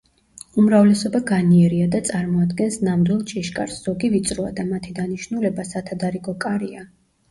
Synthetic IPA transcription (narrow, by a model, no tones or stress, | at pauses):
umɾavlɛsɔbaɡaniɛɾiad̪at̪sʼaɾmɔad̪ɡɛnsnamd̪wilˠt͡ʃʼiʃkʼa̰ɾsz̥ɔɡivit̪sʼɾɔa̰d̪amat̪ʰid̪aniʃnulɛbasat̪ʰad̪aɾiɡɔkʼaɾia